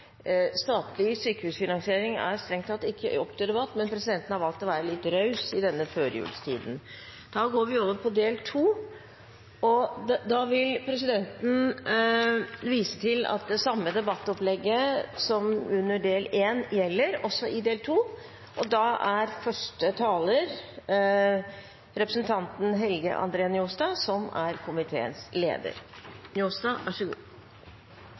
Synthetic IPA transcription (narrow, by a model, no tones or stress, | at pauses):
st̪ɑːt̪lɪsyːkəʉːsfɪnɑŋsɪeːɾɪŋæ̰ɾst̪ɾɛŋt̪ʰɑt̪ɪkʰːə̰ɔpːt̪ʰəd̪ɛbɑt̪ːmɛnpʰɾɛsɪd̪ɛnt̪n̩hɑɾʋɑlt̪ːɔʋæːɾəlɪt̪ɾœʉsɪd̪ɛnːəføːɾjʉ̰ːlst̪ʰḭːd̪n̩ | d̪̥ɑːɡoːɾʋɪoːʋəɾpʰɔd̪eːlt̪ʰuː | ɔd̪ɑːʋɪlpʰɾɛsɪd̪ɛnt̪n̩ | ʋiːsə̥t̪ʰɪlɑ̰t̪̚d̪ɛsɑmːəd̪ɛbɑt̪ːɔplɛɡːəsɔmʉnːəɖeːleːnjɛlːəɾɔsːɔɪd̪eːlt̪ʰuː | ʔɔd̪ɑæɾfœʂʈət̪ʰɑːləɾ | ɾɛpɾəsn̩t̪ʰɑnt̪n̩ɦɛlɡə̰ʔɑ̰nd̪ɾeːɑnjuːsd̪ɑːsɔmæɾkʰʊmɪt̪ʰḛːə̰nslḛːd̪ə̰ɾnjuːsd̪ɑːʋɑʂəɡṵː